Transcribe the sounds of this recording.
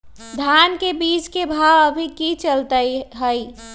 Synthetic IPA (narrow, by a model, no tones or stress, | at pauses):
d̪ʱaːnkebiːt͡ʃkebʱaəbʱikit͡ʃəlt̪əiɦəi